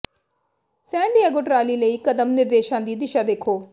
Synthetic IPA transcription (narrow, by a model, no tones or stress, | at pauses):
sɛ̃ːɳɖiaːɡoʈɾaːliːləiːkəd̪əmnɪɾd̪eːʃãːd̪iːd̪ɪʃaːd̪eːkʰoː